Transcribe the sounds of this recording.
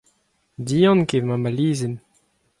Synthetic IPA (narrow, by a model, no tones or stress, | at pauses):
diːɑ̃nkemamaliːzen